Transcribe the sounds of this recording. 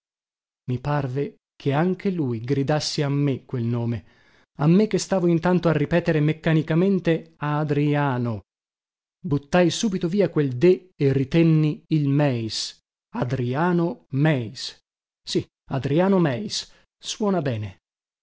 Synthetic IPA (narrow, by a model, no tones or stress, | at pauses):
miparve | kʰeaŋk̟ʰelujɡɾid̪asːeamːekːwelnoːme | amːek̟ːest̪aːvoint̪ant̪oarːipɛːt̪eɾemekːanikament̪eaːd̪ɾiaːno | but̪ːajsuːbit̪oviːakweld̪e | erit̪ɛnːiilmɛjs | ad̪ɾiaːnomɛjsː | i | ad̪ɾiaːnomɛjsː | wɔːnabɛːne